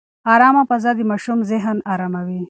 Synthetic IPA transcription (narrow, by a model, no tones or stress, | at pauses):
aɾɑmapɐzad̪imaʃumzɪɦnaɾamawi